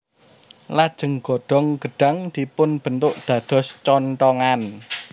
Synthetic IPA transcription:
lad̥ʒ̥ə̤ŋɡ̥ɔ̤ɖ̥ɔ̤ŋɡ̥əɖ̥a̤ŋd̪̥i̤pʊnb̥ənt̪ʊʔd̪̥ä̤d̪̥ɔ̤st͡ʃɔnʈɔŋan

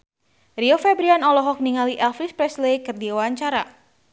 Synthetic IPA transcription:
riofɛbɾianɔlɔɦɔk̚niŋaliʔɛlfɾispɾɛslekɨrdiawaɲt͡ʃaɾa

